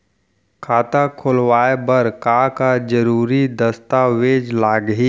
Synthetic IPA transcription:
kʰaːt̪akʰʊlwaːebəɾkakad͡ʒəɾuːɾid̪ɐst̪aʋeːd͡ʒlaːɡɦiː

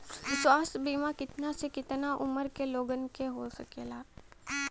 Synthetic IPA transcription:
ʋɪswaːsbiːmakɪt̪nasekɪt̪naʔʊməɾkeloːɡənkeɦosɐkeːlaː

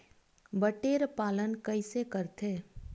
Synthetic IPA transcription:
bəʈeːɾpaːlənkəɪsekəɾt̪ʰeː

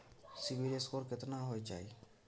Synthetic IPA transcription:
siʋiːɾeskoːɾkɪt̪nãːɦoːeːt͡ʃa̰ːeː

